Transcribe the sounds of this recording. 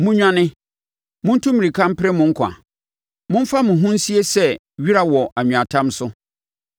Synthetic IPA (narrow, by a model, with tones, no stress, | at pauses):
mʊ̃˦ɲᶣã˦nɪ̃˦ | mʊ̃˦n̩˦tʰũ˦mĩ˨ɾi˨kʰã˦m˦pʰɪ˦ɾɪ˦mʊ̃˦ŋ̩˦kʷʰã̰˨ | mʊ̃˦n̩˦fa˦mʊ̃˨ɦʊ̃˦n̩˦si˦e˦sɛ˦ | ɥi˦ɾa˨wɔ˨a˨ɲ̃ᶣ˨a˨tʰã˦msʊ˦